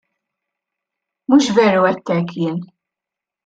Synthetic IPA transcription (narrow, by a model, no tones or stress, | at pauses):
muːʃvɛːɾuɛt̪ːɛkʰːjɪːn